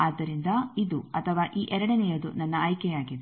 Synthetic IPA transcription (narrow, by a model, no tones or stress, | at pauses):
aːd̪ːɐɾind̪ɐid̪uɐt̪ʰɐʋaːʔiːʔɛɾɐɽɐnɛjɐd̪unɐnːɐːjkɛjaːɡid̪